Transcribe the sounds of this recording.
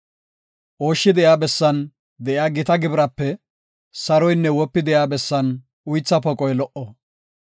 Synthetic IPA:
ʔo̞ːʃːɪd̪ɛjaːbɛsːɐn | d̪ɛʔjaːɡɪt̪ɐɡɪbɾɐpːɛ | sɐɾɔjnːɛwɔpːɪd̪ɛjaːbɛsːɐn | ʊjt͡sːɐpɔkʼɔjlɔʔɔ

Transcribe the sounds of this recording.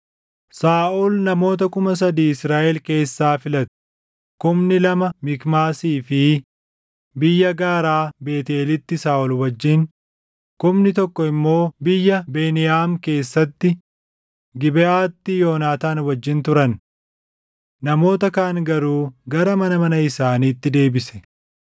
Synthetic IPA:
saːʔulnɐmo̞ːt̪̬ɐkʊmɐs̬ɐd̪iːɪsɾaːʔɛlke̞ːsːaːfɪlɐt̪ʊ̥ | kʊmnɪlɐmɐmɪkmaːsiːfɪ | bɪjːɐɡaːɾaːbe̞ːt̪eːlɪt̪ːɪsaːʔɔlwɐd͡ʒːɪŋ | kʊmnɪt̪ɔkːɔɪmːo̞ːbɪjːɐbe̞ːnɪjaːmke̞ːsːɐt̪ːɪ | ɡɪbɛʔaːt̪ːɪjo̞ːnaːt̪aːnwɐd͡ʒːɪnt̪ʊɾɐn | ɐmo̞ːt̪ɐkaːŋɡɐɾuːɡɐɾɐmɐnɐmɐnɐɪsaːniːt̪ːɪd̪e̞ːbɪsɛ̥

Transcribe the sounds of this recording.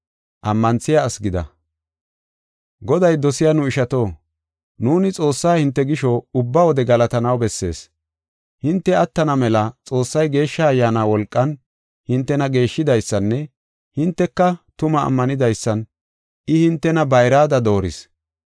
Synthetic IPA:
ʔɐmːɐnt͡sːɪjaːsɡɪd̪ɐ̰ | ɡɔd̪ɐjd̪ɔsɪjanʊɪʃɐt̪o̞ː | nuːnɪt͡sʼo̞ːsːaːhɪnt̪ːɛɡɪʃɔʊbːɐwɔd̪ɛɡɐlɐt̪ɐnɐwbɛsːe̞ːs | hɪnt̪ːɛɐt̪ːɐnɐmɛlɐt͡sʼo̞ːsːɐjɡe̞ːʃːɐːjːaːnaːwɔlkʼːɐn | hɪnt̪ːɛnɐɡe̞ːʃːɪd̪ɐjsːɐnːɛ | hɪnt̪ːɛkːɐt̪ʊmɐ̰ːmːɐnɪd̪ɐjsːɐn | ʔɪhɪnt̪ːɛnɐbɐjɾaːd̪ɐd̪o̞ːɾɪs

